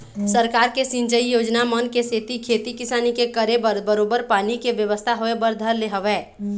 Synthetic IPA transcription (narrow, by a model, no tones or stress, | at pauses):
səɾkaːɾkesɪ̃ɲt͡ʃəijoːd͡ʒnamənkeseːt̪ikʰeːt̪ikɪsaːnikekəɾebəbəɾoːbəɾpaːnikeʋjəʋəst̪ʰaɦoebəɾd̪ʱəɾleɦəʋeː